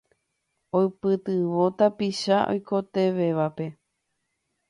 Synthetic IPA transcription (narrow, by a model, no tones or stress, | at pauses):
oɨpɨt̪ɨʋo̞t̪apiʃaʔo̰jkʰo̞t̪e̞ʋe̞ʋape̞